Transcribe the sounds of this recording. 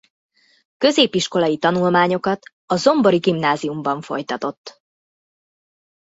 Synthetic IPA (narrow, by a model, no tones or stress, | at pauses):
kø̞zeːpiʃko̞lɒjit̪ɒnulmaːɲo̞kɒt̪ | ɒzo̞mbo̞ɾiɡimnaːzijumbɒɱfo̞̰jt̪ɒt̪o̞t̪ː